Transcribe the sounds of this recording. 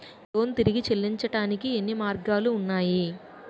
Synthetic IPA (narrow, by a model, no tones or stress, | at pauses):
t̪oːnt̪iɾiɡit͡ʃelːiɲt͡ʃɐʈaːnikienːimaːɾɡaːluːnːaːji